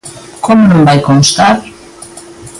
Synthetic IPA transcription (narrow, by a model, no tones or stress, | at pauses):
komonõmbajkonst̪aɾ